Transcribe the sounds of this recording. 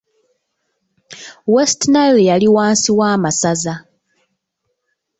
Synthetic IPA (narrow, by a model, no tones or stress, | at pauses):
westnaɾejaliwaːnsiwaːmasaza